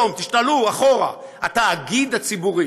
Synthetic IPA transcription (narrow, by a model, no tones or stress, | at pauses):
omt̪iʃtaluaχoʁa̰ | ataːɡid̪at͡sibuʁi